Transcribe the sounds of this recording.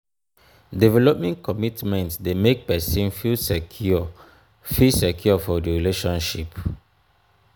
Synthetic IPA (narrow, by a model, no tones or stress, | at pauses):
divɛlɔp̚mɛ̃nkʰɔmitmɛ̃ntsdemek̚pɛsĩnfilsɛkʰɔ | fisɛkʰjɔfɔdiɹileʃɔ̃nʃip